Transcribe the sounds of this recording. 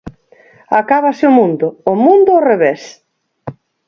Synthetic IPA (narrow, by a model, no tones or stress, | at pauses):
akaβaseʊmũnd̪ʊːmũnd̪ʊːreβes